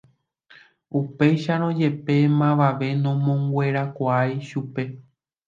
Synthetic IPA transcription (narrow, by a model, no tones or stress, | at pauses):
upe̞jʃaɾ̃õd͡ʒe̞pe̞mãʋaʋe̞nõ̞mõŋɡwʷe̞ɾakʷaajʃupe̞